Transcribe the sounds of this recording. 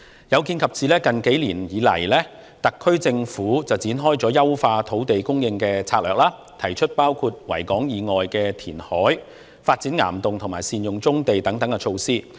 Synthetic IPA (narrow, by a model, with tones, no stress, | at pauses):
jɐ˨˧wki˧nkʰɐ˨p̚t͡siː˨lɛː˥kɐ˨nke˨˥jliː˨˩njiː˨˧lɐ̰˨˩jlɛː˥ | t̪ɐ˨kʰːɵ˥ɥt͡sɪ˧ŋfuː˨˥t͡sɐ˨wt͡siː˨˥nɦɔː˥jt͡sɔː˨˥jɐ˥wfaː˧t̪ʰo˨˥wt̪e˨jkʊ˥ŋjɪ˧ŋkɛː˧t͡sʰaː˧t̚lœː˨k̚laː˥ | t̪ʰɐ˨˩jt͡ʃʰɵ˥t̚paː˥wkʰuː˧t̚wɐ˨˩jkɔː˨˥ŋjiː˨˧ŋɔː˨jkɛː˧t̪ʰiː˨˩nhɔː˨˥j | faː˧t̚t͡siː˨˥nŋa̰ː˨˩mt̪ʊ˨ŋt̪ʰʊ˨˩maː˨˩jsiː˨njʊ˨ŋt͡sʊ˥ŋt̪e˨jt̪ɐ˨˥ŋt̪ɐ˨˥ŋkɛ˧t͡ʃʰo˧wsiː˥